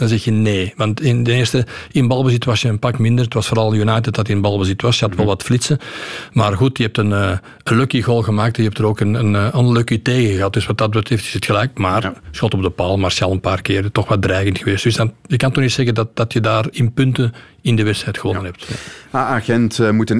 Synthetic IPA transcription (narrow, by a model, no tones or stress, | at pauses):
d̥ɑnzɛxjəneːʋɑntɪntɛnɪːrstəɪnbɑlˠbəsitʋɑsjəənpɑkmɪndərətʋɑsfoːɾɑlˠənjunajtət̚dɑtiɪnbɑlˠbəsitʋɑsjəɦɑtʋɛlˠʋɑtflɪtsəmaːrɣutjəɛp̚tənː | ənløkiɣɔlˠɣəmaːk̚tɛnjəɛptəɾoːkənənːənløkiteːɣəɣəɑt̚dʏsʋɑt̚dɑd̚bətɾɛftɪ̥sətxəlɛjkmaːrsxɔltɔb̚dəpaːlˠmarsɑlˠənpaːrkɪːrtɔxʋɑdrɛːɣəntxəʋeːstd̥ʏsdɑjəkɑntɔxnitsɛɣədɑt̚d̥ɑtjədaːrɪnpʏntən | ɪndəʋɛtsɛjtxəʋɔnnənɦɛp̚taaɣɛntmutən